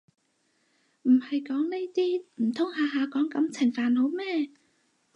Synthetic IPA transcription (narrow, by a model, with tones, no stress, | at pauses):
m̩˨˩ha˨˩jkɔ˨˦nlə˧jt̪i˧m̩˨˩t̪ʰə˧wŋ͡mhaː˨˩ɦaː˨˩kɔ˨˦nka˨˦mt͡sʰɛ˨˩ŋfaː˨˩no˨˦mɛ˧˩˨